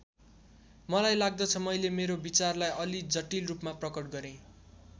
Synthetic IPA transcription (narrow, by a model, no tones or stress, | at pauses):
mʌlajlaɡ̚d̪ʌt͡sʰʌmʌjlemeɾobit͡sarlajʔʌlid͡zʌʈilrupmaprʌkʌʈɡʌɾẽ